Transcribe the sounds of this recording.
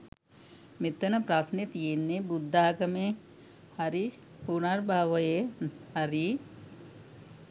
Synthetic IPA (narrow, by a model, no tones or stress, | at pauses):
met̪ːɐənəpɾasnet̪ijenːebud̪ʱːaːɡəme | haɾi | punarbaːʋəjehaɾi